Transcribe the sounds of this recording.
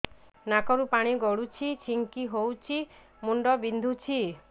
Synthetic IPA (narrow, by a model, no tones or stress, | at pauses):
nakɔɾupaɽ̃iɡɔɽut͡ʃʰit͡ʃʰiŋkiɦowt͡ʃʰi | muɳɖɔbind̪ʱut͡ʃʰi